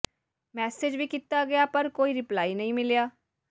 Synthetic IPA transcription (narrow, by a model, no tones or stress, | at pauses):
mɛːsed͡ʒʋiːkit̪aːɡɪjaːpəɾkoːiːɾɪplaːiːnəĩːmɪljaː